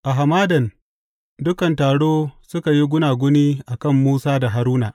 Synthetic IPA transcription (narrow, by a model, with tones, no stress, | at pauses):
ʔa˨ɦa˨maː˦dɐ˨n | dʊ˦kɐ˨ntaː˨ɽoː˦sʊ˦ka˨ji˦ɡʷʊ˦naː˨ɡʷʊ˦niː˦ʔa˨kɐ˦˨mːuː˦saː˦da˨ɦa˨ɾuː˦na˨ʔ